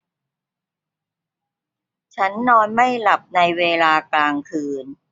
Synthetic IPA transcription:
t͡ɕʰa˦˥nːɔː˧nma˥˩jla˨˩p̚na˧jweː˧laː˧klaː˧ŋkʰɯː˧n

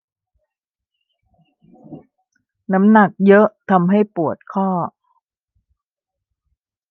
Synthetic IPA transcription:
na˦˥mna˨˩k̚jɤ˦˥ʔt̪ʰa˧mɦa˥˩jpu˨˩ət̪̚kʰɔː˥˩

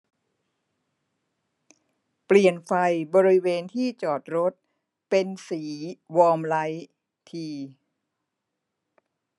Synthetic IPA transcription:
pli˨˩ənfa˧jbɔː˧ɾi˦˥weː˧nt̪ʰiː˥˩t͡ɕɔː˨˩t̪̚ɾo˦˥t̪̚ | pe˧nsiː˩˦wɔː˧mla˦˥j | t̪ʰiː˧

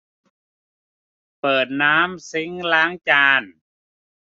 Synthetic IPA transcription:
pɤː˨˩t̪̚naː˦˥msi˧˦ŋlaː˦˥ŋt͡ɕaː˧n

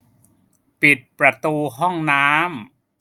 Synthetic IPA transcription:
pi˨˩t̪̚pɾa˧t̪uː˧ɦɔ˥˩ŋnaː˦˥m

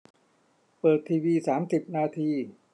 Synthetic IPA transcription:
pɤː˨˩t̪ʰːiː˧wiː˧saː˩˦msi˨˩p̚naː˧t̪ʰiː˧

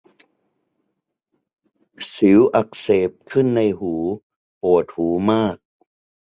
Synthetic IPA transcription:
sɯ˩˦wʔa˨˩k̚seː˨˩p̚kʰɯ˥˩nːa˧jhuː˩˦ | ʔoː˨˩t̪̚huː˩˦maː˥˩k̚

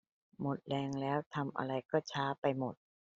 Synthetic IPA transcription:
mo˨˩t̪̚lɛː˧ŋlɛː˦˥wt̪ʰa˧mʔa̰˧ɾa˧jkɔː˥˩t͡ɕʰaː˦˥pa˧jmo˨˩t̪̚

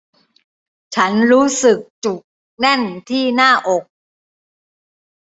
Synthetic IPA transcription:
t͡ɕʰa˦˥nɾuː˦˥sɯ˨˩k̚t͡ɕu˨˩k̚ | nɛ˥˩nt̪ʰiː˥˩naː˥˩ʔo˨˩k̚

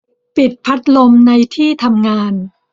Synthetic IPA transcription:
pi˨˩t̪̚pʰa˦˥t̪̚lo˧mna˧jt̪ʰiː˥˩t̪ʰa˧mŋaː˧n

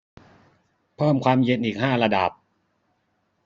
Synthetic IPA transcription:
pʰɤː˥˩mkʰwaː˧mje˧nʔiː˨˩k̚ɦaː˥˩ɾa˧da˨˩p̚

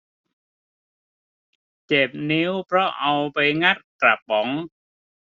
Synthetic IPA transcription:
t͡ɕe˨˩p̚ni˦˥wpʰɾɔ˦˥ʔa˧wpa˧jŋa˦˥˩t̪̚kɾa˨˩p̚bɔ˩˦ŋ

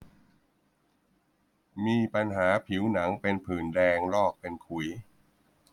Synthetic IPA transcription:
miː˧pa˧nɦaː˩˦pʰi˩˦wna˩˦ŋpe˧npʰɯː˨˩ndɛː˧ŋlɔː˥˩k̚pe˧nkʰu˨˩˦j

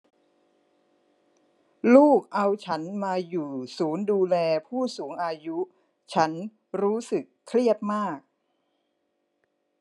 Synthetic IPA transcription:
luː˥˩k̚ʔa˧wt͡ɕʰa˦˥nmaː˧juː˨˩suː˩˦nduː˧lɛː˧pʰuː˥˩suː˩˦ŋʔaː˧ju˦˥ | t͡ɕʰa˦˥n | ɾuː˦˥sɯ˨˩kʰːli˥˩ət̪̚maː˥˩k̚

